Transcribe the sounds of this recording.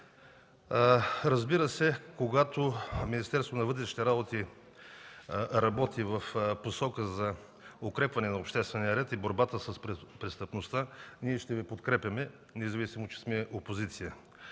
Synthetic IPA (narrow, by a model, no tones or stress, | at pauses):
ɾɐzbiɾəsɛkoɡat̪ominist̪ɛɾst̪vot̪nɐvɤt̪ɾɛʃnit̪ɛɾabot̪i | ɾɐbɔt̪ivɐfposɔkəzɐ | okɾɛpvɐnɛnɐopʃt̪ɛst̪vɛnijəɾɛt̪iboɾbat̪əsɐsppɾɛst̪əpnost̪aniɛʃt̪ɛvipot̪kɾɛpʲjɐmɛ | nɛzɐvisimot͡ʃɛ̥smɛopozit̪sijə